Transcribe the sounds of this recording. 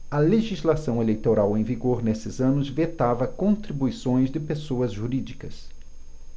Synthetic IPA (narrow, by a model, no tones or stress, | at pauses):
ɐleʒizlasɐ̃w̃elejt̪oɾawẽj̃viɡoɾnesɪzɐ̃nʊzvet̪avɐkõnt̪ɾibuisõj̃zd̪ɪpesoɐzʒuɾid͡ʒikɐs